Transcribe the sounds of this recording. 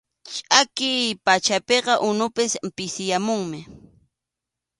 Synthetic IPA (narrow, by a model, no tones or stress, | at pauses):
t͡ʃʼakɪpat͡ʃapeqɑʔʊnʊpɪsmpɪsɪjamʊŋmɪ